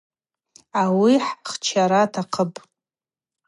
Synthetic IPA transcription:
awiħχt͡ʃʰaɾatʰaqʰəpʼ

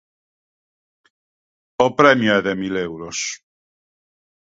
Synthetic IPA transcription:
opɾɛmjoɛðemilewɾos

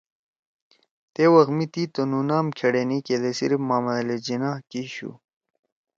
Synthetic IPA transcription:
t̪ewɐɣmit̪it̪onunaːmkʰeɽeniked̪esḭɾfmaːmɐled͡ʑinaːkiɕṵ

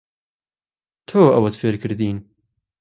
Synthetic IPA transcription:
t̪ʰoːɐ̰wɐt̪feɾkɨɾd̪iːn

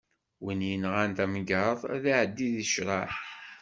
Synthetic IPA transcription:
wənjənʁænt̪æmɡɑðˤðiʕəd̪ːiðiʃɾˤɑħ

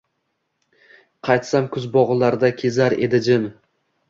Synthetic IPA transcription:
qʰɑjt̪samkʰʊzbɒʁɨlˠaɾd̪akʲʰe̞zaɾed̪ɪd͡ʒɪn

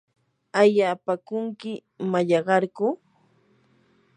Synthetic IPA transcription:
aʎaːpakʊŋkɪ | maʎɑɢɑɾkʊ

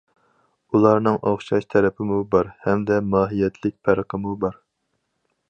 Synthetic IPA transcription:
ulˠɑɾnɨŋʔoχʃɑʃt̪ʰɛɾɛpʰɪmubɑɾhɛmd̪ɛmɑːɦijɛt̪ʰlɪk̚ʲpʰæɾqʰəmubɑɾ

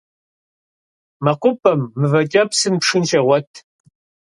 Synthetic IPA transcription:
mɐqʷʊpʰʼɐmːɨvɐt͡ʃʲʼɐpsɨnpʂɨnʃɐʁʷɐtʰ

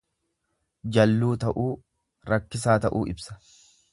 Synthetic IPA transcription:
d͡ʒɐlːuːt̪ɐʔuː | ɾɐkːɪsaːt̪ɐʔuːʔɪbsɐ̥

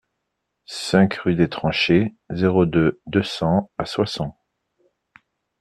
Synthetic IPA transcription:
sɛ̃kʁyd̪et̪χɑ̃ʃe | zeʁod̪ød̪øsɑ̃aswasɑ̃t̪

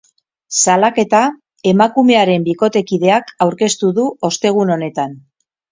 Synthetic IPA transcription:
salake̞t̪a | e̞makume̞aɾe̞mbiko̞t̪e̞kið̞e̞akawɾke̞st̪uðuo̞st̪e̞ɣ̞uno̞ne̞t̪an

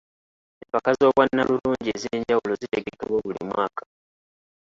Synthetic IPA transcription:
empakazo̞ːβwanːaluluːɲɟiezeːɲɟawulo̞zite̞ɡe̞keβwoβulḭmwaːkḁ

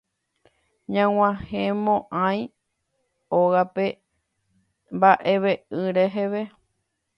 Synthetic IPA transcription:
ɲãw̃ãhẽmõʔãj̃ | oɣape̞ | mbaʔe̞ʋeɨɾeɦeʋe

